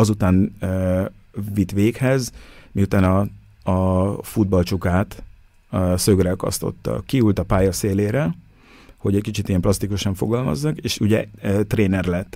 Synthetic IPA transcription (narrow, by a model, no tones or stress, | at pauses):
ɒzut̪aːnø | vit̪ʋeːkhɛzmiut̪aːnɒ | ɒfud̪̚bɒlt͡ʃukaːt̪ | sø̞ɡrɛkɒ̰st̪o̞̰t̪ːɒ̰kːiult̪ɒpaːjɒseːleːɾɛ | ho̞ɟɛckit͡ʃit̪ijɛmplɒst̪ikuʃɒɱfo̞̰ɡɒlmɒ̰zːɒkeːʃuɟɛ̰t̪reːnɛrlɛt̪ː